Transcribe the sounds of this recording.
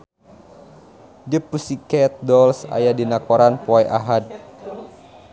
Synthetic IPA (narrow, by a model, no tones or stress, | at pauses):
d͡ʒəpusikɛt̪̚dɔlsa̰jadinakɔɾanpɔɛʔaɦad̪̚